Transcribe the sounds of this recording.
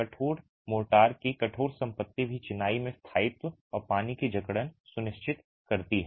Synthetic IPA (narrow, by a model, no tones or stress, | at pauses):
kɐʈʰoːɽ | moːʈaːɾkikɐʈʰoːɽsɐ̃mpət̪ːibʱit͡ʃɪnaːimẽst̪ʰaːɪt̪wəɔːɾpaːnikid͡ʒɐkɽənsʊnɪʃt͡ʃɪt̪ | kɐɾt̪iɦɛ